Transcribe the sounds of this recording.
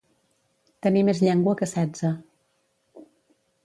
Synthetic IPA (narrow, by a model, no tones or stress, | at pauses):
t̪ənimezʎɛŋɡwəkəsɛd͡zə